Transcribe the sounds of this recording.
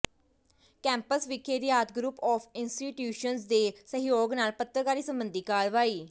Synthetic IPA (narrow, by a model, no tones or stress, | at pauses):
kɛ̃ːmpəsʋɪkeːɾijaːt̪̚ɡɾuːpɔːfʰɪnsʈiːʈjuːʃənsd̪eːsəɦɪjoːɡnaːlpət̪ːɾəkaːɾiːsəmbənd̪iːkaːɭʋaːiː